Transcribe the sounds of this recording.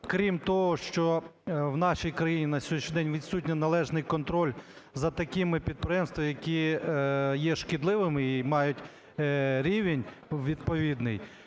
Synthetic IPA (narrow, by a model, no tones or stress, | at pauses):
kɾʲimt̪ɔɦɔʃt͡ʃɔwnɑʃijkɾɐjinʲinɐsʲɔʃd̪ɛnʲʋʲid̪sut̬ʲnʲɛnɐlˠɛʒnɪjkɔnt̪ɾɔlʲ | zɐt̪ɐkʲɪmɪpʲid̪̚pɾejɛmst̪ʋɐjɐkʲi | jɛʃkɪd̪lˠɪʋɪmɪimɑjʊtʲ | ɾʲiʋenʲ | ʋʲid̪̚pɔʋʲid̪nɪj